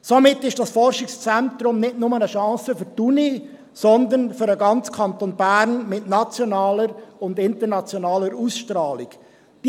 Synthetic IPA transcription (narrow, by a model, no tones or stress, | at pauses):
somɪtːɪʃd̥ɑsfɔrʃɪkst͡sɛntɾʊmnɪtnʊmənəʃɑ̃ːsəfʏɾtuni | sɔnd̪ənfʏɾəɡɑnt͡skʰɑnt̪onbæːɾnmɪtnɑt͡sjɔnɑːləɾʊndɪntərnɑt͡sjonɑːləɾusʃtɾɑːlɪɡ̥ | d̥